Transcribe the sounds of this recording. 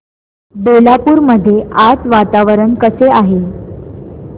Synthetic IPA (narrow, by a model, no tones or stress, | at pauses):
belapuːɾməd̪ʱːjeʔat͡sʋat̪aʋəɾəɳkəseaɦe